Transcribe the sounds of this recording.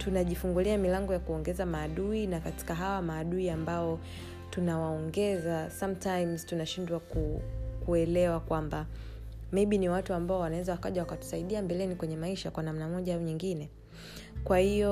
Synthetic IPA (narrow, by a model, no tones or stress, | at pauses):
tunaʄifuŋɡuliamilaŋɡɔjakuɔŋɡɛzamaːɗuinakati̥kaɦawamaːɗuiambaɔ | tunawaɔŋɡɛzasamtajmztunaʃindwakukuɛlɛwakwamba | mejɓiniwatuambaɔwanawɛzawaka̰ʄawakatu̥saiɗiambɛlɛnikwɛɲɛmaiʃakwanam̩namɔʄaauɲiŋɡinɛ | kwahijɔ